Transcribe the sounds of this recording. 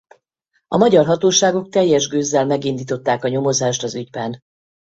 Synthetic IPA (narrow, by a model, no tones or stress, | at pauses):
ɒmɒɟɒrɦɒt̪oːʃaːɡo̞k̚t̪ɛjːɛʒɡøːzːɛlmɛɡind̪iːt̪o̞t̪ːaːkɒɲo̞mo̞zaːʃt̪ɒzyɟbɛn